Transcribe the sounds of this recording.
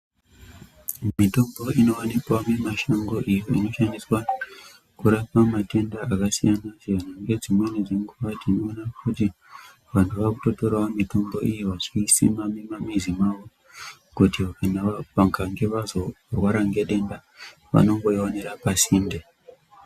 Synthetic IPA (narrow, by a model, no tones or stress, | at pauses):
mitombo̞ino̞anikwamemaʃaŋɡo̞ʔijo̞ino̞ʃandiswa | kuɾapamate̞ndaakasijanaʐeanaŋɡe̞d͡zimwe̞ned͡ziŋɡuʋatinoːnakʰuti | ʋantʰuʋaku̥to̞to̞ɾawamitombo̞ʔijeʋaʐiisḭmamemamizimaʋo | kutikanaʋaŋkaŋɡe̞ʋazo̞ | rwaɾaŋɡe̞ɗe̞nda | ʋa̰no̞ŋɡoiwaneɾapasinde